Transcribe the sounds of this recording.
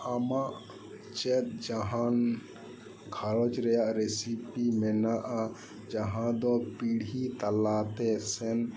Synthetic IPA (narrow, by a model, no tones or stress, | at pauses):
amaʔ | t͡ʃɛt̪̚d͡ʒaɦan | ɡʱalɔt͡ʃɾɛjaʔɾesipimɛnaʔa | d͡ʒaɦãd̪ɔpiɽʱit̪ɐlaːt̪esɛn